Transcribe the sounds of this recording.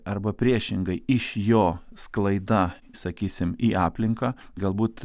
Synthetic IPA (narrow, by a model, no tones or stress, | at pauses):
ɐɾbɐpʲɾʲiɛʃʲɪŋɡɐɪɪʃjoːsklˠɐɪd̪ɐ | sɐkʲiːsʲɪmiːɑːpʲlʲɪŋkɑː | ɡɐlˠbuːt̪